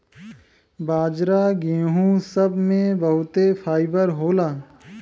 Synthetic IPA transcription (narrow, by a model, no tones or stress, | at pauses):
baːd͡ʒɾaːɡẽːɦũsɐbmẽbɐɦʊt̪epʰaːɪbəɾɦoːlaː